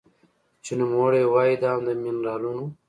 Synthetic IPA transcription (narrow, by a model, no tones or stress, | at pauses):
t͡ʃinimoːɽewaːid̪aːmd̪əminɾaːlunu